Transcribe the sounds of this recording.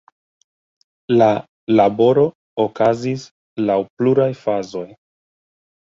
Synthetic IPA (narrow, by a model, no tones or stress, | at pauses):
la | labo̞ɾo̞ | okazis | lawpluɾajfazo̞j